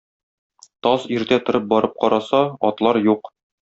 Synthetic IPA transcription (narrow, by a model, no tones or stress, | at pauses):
t̪ɒziɾt̪æt̪ŏɾɤp̚bɒɾɤp̚qɒɾɑsɑɒt̪lˠɑɾjuq